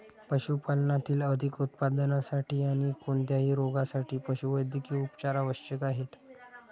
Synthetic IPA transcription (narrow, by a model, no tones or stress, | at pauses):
pəɕupalnat̪iːləd̪ʱikut̪pad̪nasaʈiːaɽ̃ikoɳt̪jaɦiːɾoɡasaʈʰiːpəɕuʋəjd̪ʱkiːupt͡ɕaɾaʋəɕt͡ɕəkaɦet̪